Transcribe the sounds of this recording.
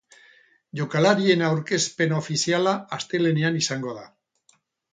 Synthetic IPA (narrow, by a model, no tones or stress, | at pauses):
ʎokalaɾie̞nawɾke̞spe̞naofisialaːst̪e̞le̞neanisaŋɡoaða